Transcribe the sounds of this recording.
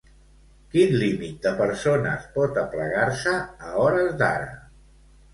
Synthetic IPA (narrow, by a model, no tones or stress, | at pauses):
kinlimit̪̚d̪əpəɾsonə̰spɔt̪əpləɣaɾsəːɔɾəzd̪a̰ɾə̰